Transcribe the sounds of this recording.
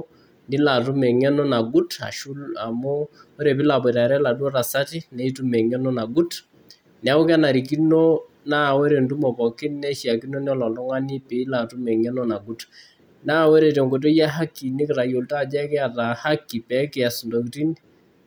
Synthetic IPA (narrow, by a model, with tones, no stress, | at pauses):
ndɪ˦la˨t̬u˦mɛ˨ŋɛ˦nɔ˦na˨ɡu˦ta̰˨ʃu˦la˨mɔ˦o˦ɾe˨pi˦la˨pɔ˨ta˨ɾɛ˦la˨dwɔ˦ɾa˨sa˦ti˦nɛ˨i˦tu˦mɛ˨ŋɛ˦nɔ˦na˨ɡu˦t | nɛ˨a˦u˦ka˦na˨ɾi˨k̬i˦no˦ | na˦˨we˦ɾe˨ndu˦mɔ˨pɔ˨kɪ˦nɛ˦ʃja˨ki˦no˦n˦ɔ˦lɔ˨ldɔ˦ŋa˦ni˦pɪ˨˦la˨tu˦mɛ˨ŋɛ˦nɔ˦na˨ɡu˦t | naː˦we˦ɾe˨t̬e˨ŋɡo˨t̬o˦ja˦ɦa˦kːi˨ni˦kɪɾa˨jo˨lta˦˨d͡ʒɛ˦kɛ˦a˨ta˨ha˦kːi˨pɛ˨˦kɪ˨a˨su˨ndo˨ki˨ti˦ni